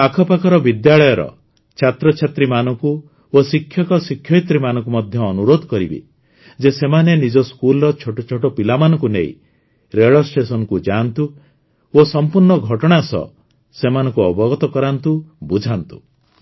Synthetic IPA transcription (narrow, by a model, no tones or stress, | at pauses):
akʰɔpakʰɔɾɔbid̪jaɭɔjɔɾɔ̰ | t͡ʃʰat̪ɾɔt͡ʃʰat̪ɾimanɔŋku | osikʰjɔkɔsikʰjɔjt̪ɾimanɔ̃ŋk̬umɔd̪ʱjɔːnuɾod̪ʱɔkɔɾibḭ | d͡ʒesemanenid͡ʒɔskulɔɾɔt͡ʃʰoʈɔt͡ʃʰoʈɔpilamanɔ̃ŋkunḛḭ̃ | ɾeɭɔsʈesɔnɔkud͡ʒant̪u | osɔmpuɾɳɔɡʱɔʈɔɽ̃asɔ̰ | semanɔ̃ŋkuɔbɔɡɔt̪ɔkɔɾant̪ubud͡ʒʱant̪u̥